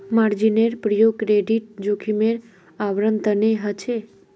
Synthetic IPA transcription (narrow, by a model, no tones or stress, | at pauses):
maɾd͡ʒineɾpɾəjoɡ̚kɾeɖiʈ̚d͡ʒukʰimeɾ | aʋɾənt̪əneɦət͡ʃʰe